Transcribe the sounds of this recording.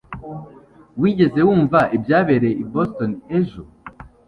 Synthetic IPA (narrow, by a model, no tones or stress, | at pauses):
wiːɟe̞ze̞wuːɱvaʔibjaːβe̞ɾe̞ibostoneʒo